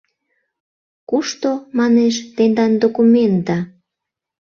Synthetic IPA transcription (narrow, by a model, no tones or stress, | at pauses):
kuʃt̪omɑneʃt̪end̪ɑnd̪okument̪ɑ